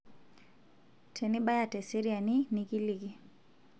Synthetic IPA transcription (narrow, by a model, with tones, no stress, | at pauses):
tʰɛ˨ni˦ɓa˦ja˨tɛ˨si˦ɾia˨ni˦niki˦liki˨